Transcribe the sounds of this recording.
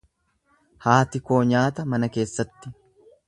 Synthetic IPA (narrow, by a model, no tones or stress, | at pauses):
haːt̪ɪko̞ːɲaːt̪ɐmɐnɐke̞ːsːɐt̪ːɪ